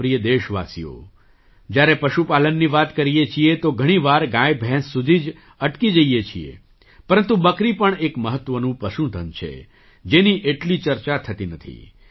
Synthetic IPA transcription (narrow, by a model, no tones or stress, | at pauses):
pɾijəd̪eʃʋa̰sijo̰ | d͡ʒjaɾepəʃupalənːiʋat̪kəɾiet͡ʃʰiet̪oɡʱəɽ̃iʋaɾɡãjbʱɛ̃sːud̪ʱid͡ʒ | əʈkid͡ʒəijet͡ʃʰiḛ | pəɾənt̪ubəkɾipəɳekməɦət̪ːʋənũpəʃũt̪ʰənt͡ʃʰḛ | d͡ʒeniʔeʈlit͡ʃəɾt͡ʃat̪ʰət̪inət̪ʰḭ